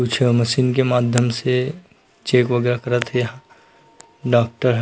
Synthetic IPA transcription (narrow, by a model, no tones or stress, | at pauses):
uːt͡ʃʰəmɐʃiːnkemaːd̪ʱjəmse | t͡ʃeːkʋɐɡɛːɾakɐɾat̪ʰɦɛjɐɦã | ɖaːk̚ʈəɾɦ